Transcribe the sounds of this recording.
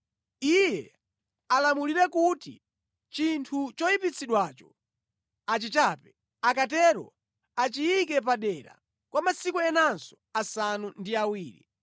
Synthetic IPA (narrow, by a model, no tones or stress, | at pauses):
ijɛ̰ | alamuliɾɛkutḭ | t͡ʃintʰut͡ʃɔipit͡sʰiɗwat͡ʃɔ | at͡ʃit͡ʃapɛ | akatɛɾɔ̰ | at͡ʃiikɛpaɗɛɾa̰ | kwamasikuɛnansɔ̥ | asanundiawiːɾḭ